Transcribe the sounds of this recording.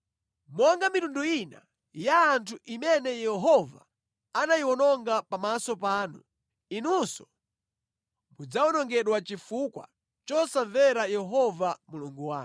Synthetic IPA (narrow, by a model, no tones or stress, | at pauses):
mɔŋɡamitunduina̰ | jaːntʰuʔimɛnɛjɛɦɔva̰ | anajiwɔnɔŋɡapamasɔpaːnu | inusɔ̥ | mud͡zawɔnɔŋɡɛɗwat͡ʃifukwa̰ | t͡ʃɔsaɱvɛɾajɛɦɔvamuluŋɡuwa̰ːn